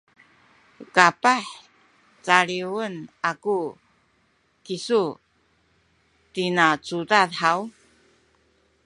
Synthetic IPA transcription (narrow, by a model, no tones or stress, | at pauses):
kapaħ | t͡saɾiwənaku | kisu | tinat͡sudatħaw